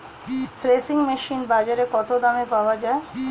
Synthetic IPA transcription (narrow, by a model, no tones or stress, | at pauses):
t̪ʰɾesiŋmeʃinbad͡ʑaɾekɔt̪od̪amepaoad͡ʑae